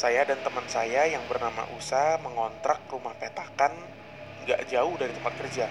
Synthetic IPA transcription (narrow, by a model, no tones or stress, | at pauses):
sajadant̪əmənsajajaŋbərnama̰ʔusahməŋɔnt̪ɾak̚rumahpet̪akan | ŋɡa̰ʔd͡ʒaʊhdaɾit̪əmpat̪̚kərd͡ʒa